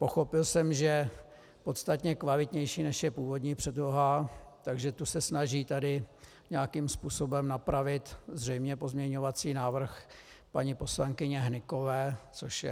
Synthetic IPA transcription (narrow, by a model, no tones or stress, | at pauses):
po̞xo̞pɪlsɛmʒɛ | po̞t̪st̪at̪ɲɛkvalɪt̪ɲɛjʃiːnɛʃjɛpuːvod̪ɲiːpr̥ɛdloɦat̪aɡʒɛt̪usɛsnaʒiːt̪adɪ | ɲɛjakimspuːso̞bɛmnapɾavɪt̪zr̝ɛjmɲɛpo̞zmɲɛɲo̞vat͡siːnaːvr̩x | paɲipo̞slaŋkɪɲɛɦnɪko̞vɛːt͡so̞ʃjɛ